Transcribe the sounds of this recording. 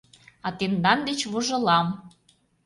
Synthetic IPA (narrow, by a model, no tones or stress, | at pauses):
ɑt̪end̪ɑnd̪et͡ɕβuʒɤ̆lɑm